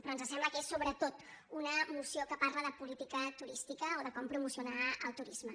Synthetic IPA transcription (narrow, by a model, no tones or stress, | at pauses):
pɾɔənzəs̬ɛmbləkesːoβɾət̪ot̪ | unəmusjokəpaɾləðəpulit̪ikət̪uɾist̪ikəoðəkɔmpɾumusijunaəlˠt̪uɾizmə